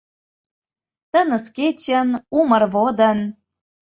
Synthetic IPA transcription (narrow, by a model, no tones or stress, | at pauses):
t̪ə̆nə̆sket͡ɕə̆numərβod̪ə̆n